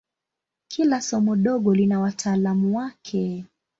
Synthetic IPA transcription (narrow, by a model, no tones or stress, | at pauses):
kʰilasɔmɔɗɔɠɔlinawatʰaːlamuwakʰɛ